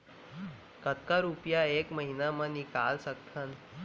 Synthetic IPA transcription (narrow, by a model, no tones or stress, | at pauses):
kət̪kaɾupjaekməɦinamanikalsəkt̪ʰən